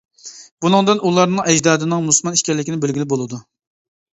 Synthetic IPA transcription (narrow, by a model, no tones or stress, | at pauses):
b̥unɨŋd̪ɨnulˠɑɾnɨŋɛd͡ʒd̪ɑːd̪ɪnɨŋmuslmɑniʃkʲɛɾlːɪkʲinɪbelɡʲilɪbolˠɨd̪u